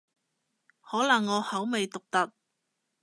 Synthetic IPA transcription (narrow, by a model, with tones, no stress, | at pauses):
hɔː˨˥lɐ˨˩ŋːɔː˨˧hɐ˨˥wme˨jt̪ʊ˨k̚t̪ɐ˨t̚